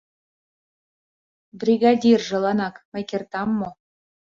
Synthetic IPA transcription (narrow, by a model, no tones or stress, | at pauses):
brʲiɡɑdʲirʒɤ̆lˠɑnɑkmʲɘ̆kʲert̪ɑmːo